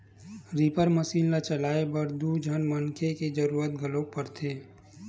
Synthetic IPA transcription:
ɾipəɾməsiːnlat͡ʃəlaːebəɾd̪ud͡ʒʱənmənkʰeked͡ʒəɾuːɾət̪̚ɡʱəlopəɾt̪ʰeː

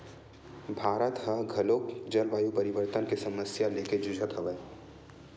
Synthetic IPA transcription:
bʱaːɾət̪ɦɐɡʱɐloːkd͡ʒɐɾʋaːjupɐɾɪʋəɾt̪ənkesɐməsjaleːked͡ʒʊd͡ʒʱət̪ɦɐʋəː

